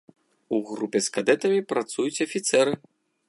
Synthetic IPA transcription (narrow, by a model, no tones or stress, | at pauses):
uɣɾupʲɛskad̪ɛt̪ɐmʲipɾat̪sujut͡sʲɐfʲit̪sɛɾɨ